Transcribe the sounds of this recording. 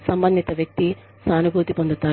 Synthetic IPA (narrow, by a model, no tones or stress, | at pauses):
sɐmbɐnd̪it̪ɐʋjɐk̚t̪i | saːnubʱuːt̪ipond̪ut̪ːaː